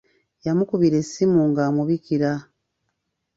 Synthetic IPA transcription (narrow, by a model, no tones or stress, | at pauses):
jamukuβiɾe̞sːimuːŋɡaːmuβikiɾa